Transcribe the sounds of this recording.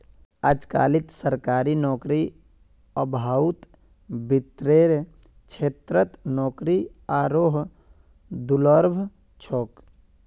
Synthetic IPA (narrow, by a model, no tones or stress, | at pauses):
əd͡ʒka̰ːlit̪səɾkaːɾinɔːkɾi | əbʱaːwt̪ | bit̪ɾeːɾ | t͡ʃʰeːt̪ɾət̪nɔːkɾiaːɾoɦ | d̪uləɾbʱ | t͡ʃʰoːk